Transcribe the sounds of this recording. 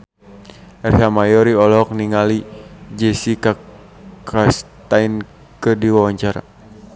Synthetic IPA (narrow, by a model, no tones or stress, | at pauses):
ɛrɦamajɔɾiɔlɔk̚niŋalid͡ʒɛsika | kast̪ain | kədiwawaɲt͡ʃaɾa̰